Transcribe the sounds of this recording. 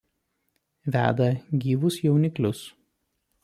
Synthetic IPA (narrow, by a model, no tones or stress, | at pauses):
ʋʲæ̰ːd̪ɐɡʲiːʋʊsjɛʊnʲɪklʲʊs